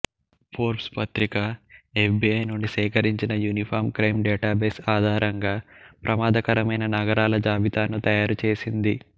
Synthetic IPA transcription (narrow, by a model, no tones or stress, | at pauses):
pʰoːɾpspɐt̪ɾikaefbiːɐjnuɳɖisɛːkɐɾiɲt͡ʃinɐjuːnipʰaːɾmkɾɐjmɖɛːʈaːbesaːd̪ʱaːɾʔɐŋɡaːpɾʔɐmaːd̪ɐkɐɾɐmɐjnɐnɐɡɐɾaːlɐd͡ʒaːbit̪aːnut̪ɐjaːɾut͡ʃeːsind̪i